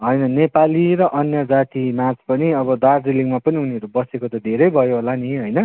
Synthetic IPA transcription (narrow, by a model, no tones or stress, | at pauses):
ɦʌjnʌnepaliɾʌʔʌnjʌd͡zat̪imat͡spʌniʌβʌd̪ard͡ziliŋmapʌniɦuneʌɾubʌsekot̪ʌd̪ʱeɾʌjbʱʌjoɦolaniɦʌjnʌ